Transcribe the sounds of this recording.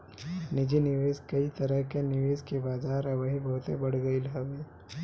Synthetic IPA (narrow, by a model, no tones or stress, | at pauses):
nɪd͡ʒinɪʋeːzkɐit̪ɐɾəɦkenɪʋeːzkebaːzaːɾɐʋəɦibɐɦʊt̪ḛbɐɽ̤ɡəilɦoʋeː